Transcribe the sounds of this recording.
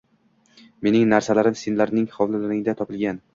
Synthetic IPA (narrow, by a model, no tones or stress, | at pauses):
me̞nɪŋnaɾsalaɾɪmsenlaɾnɪŋχɒwlɪlaɾɪŋd̪at̪ʰɒpɪlɡʲan